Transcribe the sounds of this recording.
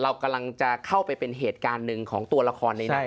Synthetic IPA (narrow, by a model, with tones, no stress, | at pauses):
ɾa˧wka˧mla˧ŋt͡ɕa˨˩kʰa˥˩wpa˧jpe˧nɦeː˨˩t̪̚kaː˧nːɯ˨˧ŋkʰɔː˩˦ŋt̪u˧ɐla˧kʰɔː˧nːa˧ja˦˥˩